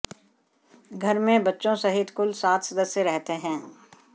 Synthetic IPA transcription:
ɡʱɐɾmẽbɐtːʃõsɐɦɪt̪kʊlsaːt̪ʰsɐd̪əsjəɾɛɦt̪eɦɛ̃ː

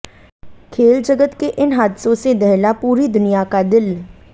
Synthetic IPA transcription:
kʰeːld͡ʒəɡət̪keʔɪnɦaːd̪sõsed̪ɛɦlapuːɾid̪ʊnijakad̪ɪl

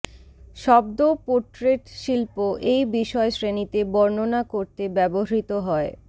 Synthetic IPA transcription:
ʃɔbd̪opoɾʈɾeʈʃilpoʔejbiʃɔesɾenit̪ebɔɾnonakoɾt̪ebɛboɦɾit̪oɦɔe

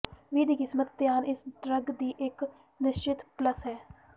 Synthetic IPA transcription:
ʋiːd̪iːkɪsmət̪d̪jaːnɪsɖɾəɡd̪iːʔɪk | nɪʃt͡ʃɪt̪pləsɦɛː

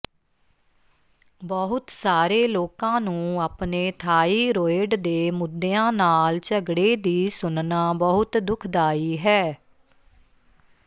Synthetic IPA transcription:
bəɦʊt̪saːɾeːloːkãːnũːaːpneːt̪ʰaːiːɾoːɪɖd̪eːmʊd̪ːeãːnaːlt͡ʃəɡɽeːd̪iːsʊnnaːbəɦʊt̪d̪ʊkʰd̪aːiːɦɛː

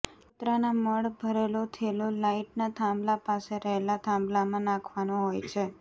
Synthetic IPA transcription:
ut̪ɾanaməɭbʱəɾelot̪ʰelolaiʈnat̪ʰãmblapaseɾəɦelat̪ʰãmblamãnãkʰʋanoɦojt͡ʃʰe

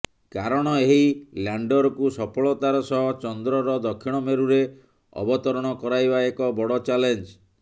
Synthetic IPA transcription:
kaɾɔɽ̃ɔeɦilaɳɖɔɾɔkusɔpʰɔɭɔt̪aɾɔsɔɦɔt͡ʃɔnd̪ɾɔɾɔd̪ɔkʰːiɽ̃ɔmeɾuɾe | ɔ̰bɔt̪ɔɾɔɽ̃ɔkɔɾajbaekɔbɔɽɔt͡ʃalend͡ʒ

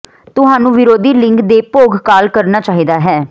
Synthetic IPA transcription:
t̪ʊɦaːnũːʋɪɾoːd̪iːlɪ̃ŋkd̪eːpoːɡkaːlkəɾnaːt͡ʃaːɦiːd̪aːɦɛː

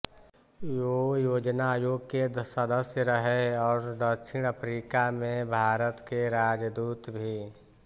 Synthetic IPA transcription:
jojoːd͡ʒnajoːɡked̪səd̪əsjəɾəɦɛɔːɾd̪əkʃɪɽ̃əpʰɾiːkamẽbʱaːɾət̪keɾaːd͡ʒd̪uːt̪bʱi

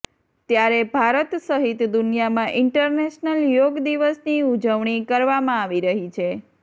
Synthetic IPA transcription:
t̪jaɾebʱaɾət̪səɦit̪d̪unjamãʔɪɳʈəɾneʃnəljoɡd̪iʋəsniud͡ʒəʋɳ̃ikəɾʋamãaːʋiɾəɦit͡ʃʰe

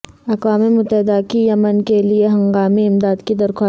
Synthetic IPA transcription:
ɐqwaːmemʊt̪ːəɦɪd̪akijɐmənkelieɦɐ̃ŋɡaːmiɪmd̪aːd̪kid̪ɐɾxaː

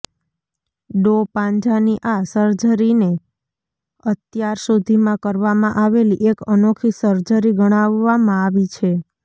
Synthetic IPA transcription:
ɖopãɲd͡ʒaniʔasəɾd͡ʒəɾine | ət̪jaɾsod̪ʱimãkəɾʋamãʔaʋeliʔekənokʰisəɾd͡ʒəɾiɡəɽ̃aʋːamãaʋit͡ʃʰe

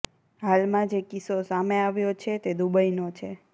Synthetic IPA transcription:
ɦalmãd͡ʒekisosameaʋjot͡ʃʰet̪ed̪ubəjnot͡ʃʰe

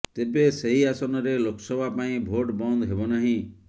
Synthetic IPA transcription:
t̪ebeseɦiasɔnɔɾelokɔ̥sɔbʱapaĩbʱoʈbɔnd̪ɔɦebɔnaɦĩ

